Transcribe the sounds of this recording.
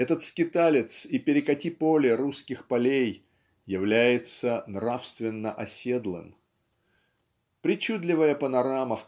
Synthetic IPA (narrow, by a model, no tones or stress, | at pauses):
ɛt̪ət̪skʲɪt̪alʲɪt̪sipʲɪɾʲɪkɐtʲipolʲɪɾuskʲɪxpɐlʲejː | ɪvlʲæjɪt̪sənɾafst̪vʲɪnːəʔɐsʲed̪lˠɨ̰m | pɾʲɪt͡ɕud̪lʲɪvəjəpənɐɾaməf